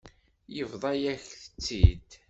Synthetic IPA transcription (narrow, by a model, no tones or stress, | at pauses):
jəvðˤɑjæçθə̥t͡sːid̪